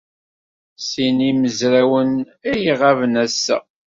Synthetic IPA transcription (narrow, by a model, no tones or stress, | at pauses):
siniməzɾæwən | æjəʁavənæsːæ̰